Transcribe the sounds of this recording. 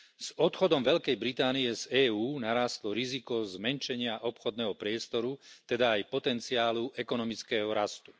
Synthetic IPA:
z̥ɔt̪xɔd̪ɔmʋɛʎkɛjbɾit̪aːniɛzɛːuːnaɾaːst̪lɔɾizikɔzmɛnʃɛɲɪaʔɔpxɔd̪nɛɦɔpɾɪɛst̪ɔɾut̪ɛd̪aːjpɔt̪ɛnt͡siaːluʔɛkɔnɔmit͡skɛːɦɔɾast̪u̥

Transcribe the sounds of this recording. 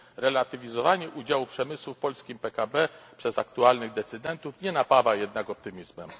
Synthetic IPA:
ɾɛlat̪ɘvʲizɔvaɲɛʔud͡ʑawupʂɛmɘswufpɔlskʲimpɛkabɛpʂɛzakt̪ualnɘɣd̪ɛt̪sɘd̪ɛnt̪ufɲɛnapavajɛd̪̚naɡɔp̚t̪ɘmʲizmɛm

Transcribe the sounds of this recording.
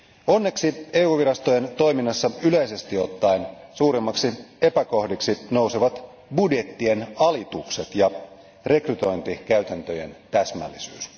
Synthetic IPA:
o̞nːe̞ksie̞ːuːʋiɾɑst̪oje̞nt̪o̞jminːɑsːɑyleise̞st̪iot̪ːɑinsuːɾimːɑksiepækohdiksinouseʋɑt̪ | budje̞t̪ːie̞nɑlit̪ukset̪jɑ | re̞kryt̪o̞jnt̪ikæyt̪ænt̪ø̞je̞̰nt̪æsmæ̰lːisyːs

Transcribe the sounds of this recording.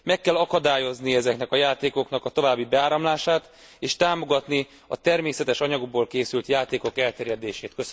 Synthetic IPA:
mɛkːɛlɒkɒd̪aːjo̞zniɛzɛknɛkɒjaːt̪eːko̞knɒkɒt̪o̞vaːbːibɛaːɾɒmlaːʃaːt̪ | eːʃt̪aːmo̞ɡɒt̪ni | ɒ̰t̪ɛrmeːsɛt̪ɛʃɒɲɒɡoɡ̚boːlkeːsylt̪jaːt̪eːko̞kɛlt̪ɛːɾjɛd̪eːʃeːt̪køs

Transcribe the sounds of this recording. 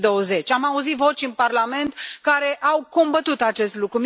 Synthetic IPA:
d̪o̞wəze̞t͡ʃʲamauzit̪vo̞t͡ʃʲɨnparlame̞nt̪kaɾe̞ʔawko̞mbət̪ut̪at͡ʃe̞st̪lukɾum

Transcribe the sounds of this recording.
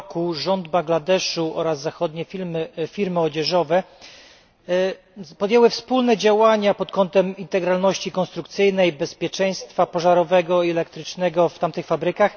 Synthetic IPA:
kuʐɔnd̪baŋɡlad̪ɛʂuʔɔ̰ɾazːaxɔd̪ɲɛmfʲiɾmɘɔd͡ʑɛʐɔvɛ | pɔd̪jɛwɘfspulnɛd͡ʑawaɲapɔt̪kɔnt̪ɛmint̪ɛɡɾalnɔɕt͡ɕikɔnst̪ɾukt̪sɘjnɛjbɛspʲjɛt͡ʂɛj̃st̪fapɔʐaɾɔvɛɡɔiɛlɛkt̪ɾɘt͡ʂnɛɡɔft̪amt̪ɘxfabɾɘkax

